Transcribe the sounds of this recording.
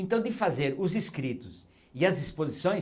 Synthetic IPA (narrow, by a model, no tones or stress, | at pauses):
ẽnt̪ɐ̃w̃d̪ɪfazeɾʊziskɾit̪ʊs | ɪɐzd̪ispozisõj̃